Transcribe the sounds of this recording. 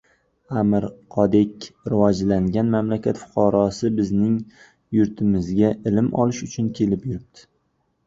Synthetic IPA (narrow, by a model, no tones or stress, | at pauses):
amɪɾqʰɒd̪ekʲɾɪvɒd͡ʒlaŋɡʲanmamlakʲat̪fʊ̥qʰɑɾɒsɪbɪznɪŋ | jʊɾt̪ʰɪmɪzɡʲaʔɪlɪmʔɒ̰lɪʃʊt͡ʃʰʊnkʲʰe̞lɪpjʊɾɪp̚t̪ʰɪ̥